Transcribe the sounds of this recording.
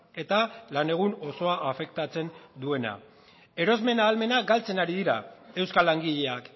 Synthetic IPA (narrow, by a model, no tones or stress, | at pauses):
e̞t̪alane̞ɣ̞uno̞so̞aʔːfe̞k̚t̪at͡se̞nd̪ue̞na̰ | e̞ɾo̞zme̞naːlme̞naɡalt͡se̞naɾiðiɾae̞wskalaŋɡiʎe̞ak